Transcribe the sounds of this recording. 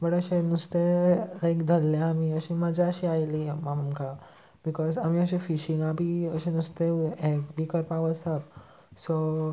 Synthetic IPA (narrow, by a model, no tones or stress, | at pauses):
bəʈəɕenust̪elajkd̪ʱəlːjaːmiəɕimad͡ʑʱaəɕiajlimaməmka | bikɔzamiəɕefiʃĩŋabiəɕẽnust̪eebikɔjpaʋəsap̚ | so